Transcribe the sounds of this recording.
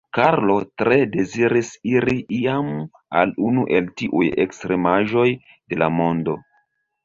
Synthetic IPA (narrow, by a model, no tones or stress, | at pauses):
kaɾlo̞tɾe̞de̞ziɾisiɾiʔiam | a̰lunuʔe̞ltiʔujḛkstɾe̞maʒo̞j | de̞la̰mo̞ndo̞